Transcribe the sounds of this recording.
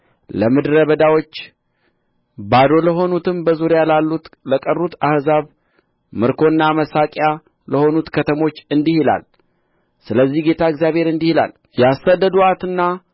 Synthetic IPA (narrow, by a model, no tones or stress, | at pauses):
ləmɨd̪ɾəβəd̪awo̞t͡ʃː | bad̪o̞ləɦo̞nut̪ʰɨmbəzuɾjalalːut̪ləkʼərːut̪ʰahzaβ | mɨɾkʰo̞ɨnːaməsakʼja | ləho̞nut̪kʰət̪ʰəmo̞t͡ʃːɨnd̪ihila̰l | sɨləzːihɡe̞t̪ʰaɨɡzjaβhe̞ɾɨnd̪ihila̰l | jɛasad̪ːəd̪uat̪ɨnːa